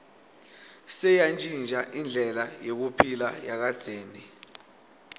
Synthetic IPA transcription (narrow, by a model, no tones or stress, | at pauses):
sɛjant͡ʃʼind͡ʒʱaʔind͡ɮʱɛlajek̬upʰilajak̬ad̥z̥ʱeːni